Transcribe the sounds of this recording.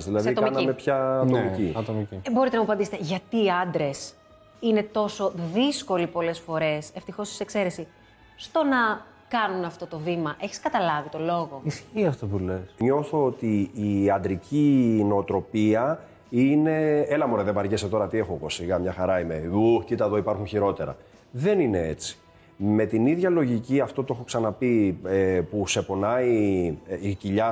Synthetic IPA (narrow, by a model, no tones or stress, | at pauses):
zðilɐðɐit̪okmɐnɐimepçɐt̪omiciɐt̪omicibo̞ɾit̪enɐmɐpɐnd̪iset̪eʝɐt̪iːɐnd̪ɾe̞s | ine̞t̪o̞so̞ðisko̞lipo̞le̞sfo̞ɾe̞se̞ft̪ixo̞si̥se̞kse̞ɾesi | st̪o̞nɐ | kɐnunɐft̪o̞t̪o̞vimɐʔe̞çi̥skɐt̪ɐlɐvit̪o̞lo̞ɣo̞isçiɐft̪opulesɲo̞θoot̪iːɐnd̪ɾicine̞ot̪ɾo̞piɐ | ine̞elɐmoɾeðebɐɾʝeset̪o̞ɾɐt̪iexoɣo̞siɣɐmɲɐxɐɾɐime̞uxcit̪ɐðo̞ipɐɾxunçiɾo̞t̪e̞ɾɐ̰ | ðe̞nine̞e̞̰t͡si̥ | me̞t̪iniðʝɐlo̞ʝiciɐft̪o̞t̪oexo̞ksɐnɐpiepuse̞po̞nɐi | iciʎɐ